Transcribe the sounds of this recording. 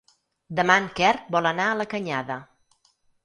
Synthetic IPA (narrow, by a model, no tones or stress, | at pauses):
d̪əmaŋkɛrbɔlənaələkəɲaðə